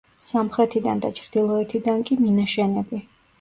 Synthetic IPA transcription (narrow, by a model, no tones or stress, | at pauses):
samχɾɛt̪ʰid̪a̰nd̪a̰t͡ʃʰɾd̪ilˠɔɛt̪ʰid̪ankʼiminaʃɛnɛbi